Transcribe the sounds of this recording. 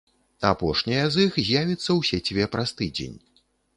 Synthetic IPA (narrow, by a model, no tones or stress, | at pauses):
apɔʂnʲijɐzixzʲjavʲit̪sːɐwsʲɛt͡sʲivʲɛpɾast̪ɨd͡zʲḛnʲ